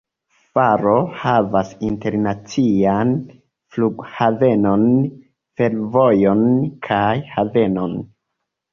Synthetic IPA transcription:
faɾo̞havasinte̞ɾnat͡sian | fluɡhave̞no̞n | fe̞ɾvo̞jo̞nkʰajhave̞no̞n

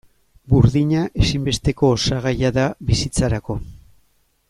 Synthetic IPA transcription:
buɾðiɲaʔe̞simbe̞st̪e̞ko̞ːsaɣajaðaβisit͡saɾako̞

